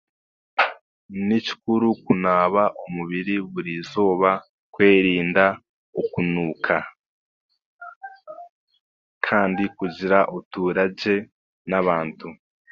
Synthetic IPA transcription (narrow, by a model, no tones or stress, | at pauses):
nici̥kuɾukunaːβaʔomuβiɾiβuɾizo̞ːβa | kwe̞ːɾiːnda | okunuːkʰa | kʰaːndikuɟiɾaʔotuːɾaɟe̞ | naβaːntʰu